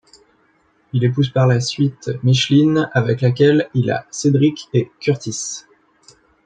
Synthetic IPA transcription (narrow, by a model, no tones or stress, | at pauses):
ilepuzpaʁlasɥit̪miʃlinavɛklak̬ʲɛlila̰sed̪ʁikʲekʲyʁt̪is